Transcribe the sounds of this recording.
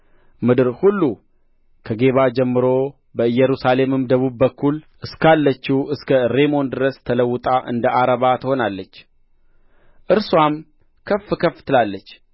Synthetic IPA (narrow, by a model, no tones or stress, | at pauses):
mɨd̪ɨɾhulːu | kʰəɡe̞βad͡ʒɛmːɨɾo̞ | bəɨjːɛɾusale̞mɨmd̪əβubːəkʰːulʔɨskalːət͡ʃːuɨskʰəɾe̞mo̞nd̪ɨɾəst̪ʰələwːʊt̪ʼaʔɨ̰nd̪əʔaɾəβat̪ʰəho̞nalːət͡ʃː | ʔɨɾswam | kʰəfɨkʰəft̪ʰɨlalːət͡ʃː